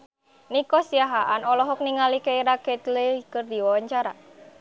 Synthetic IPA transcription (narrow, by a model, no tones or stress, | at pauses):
nikɔsiaɦaʔanɔlɔɦɔk̚niŋalikeiɾaket̪lekərd̪iwawaɲt͡ʃaɾa̰